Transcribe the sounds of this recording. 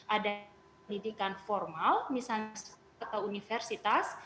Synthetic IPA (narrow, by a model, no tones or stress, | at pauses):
ʔada | ndidikanfɔrmalmisals | at̪awunifɛrsit̪as